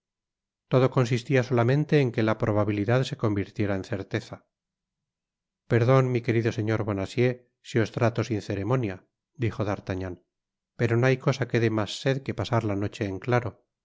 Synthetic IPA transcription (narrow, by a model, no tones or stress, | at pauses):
t̪o̞ðoko̞nsist̪iaso̞lamẽ̞nt̪e̞ːŋke̞lapɾo̞β̞aβiliðaðse̞ko̞mbiɾt̪je̞ɾaenθe̞ɾt̪e̞θa | pe̞ɾðo̞nmike̞ɾiðo̞se̞ɲo̞ɾβo̞nasje̞ | sio̞st̪ɾat̪o̞sinθe̞ɾe̞mo̞nja | d̪ixoðaɾt̪aɲan | pe̞ɾonoajko̞sake̞ðe̞masːe̞ðke̞pasaɾlano̞t͡ʃe̞ːŋklaɾo̞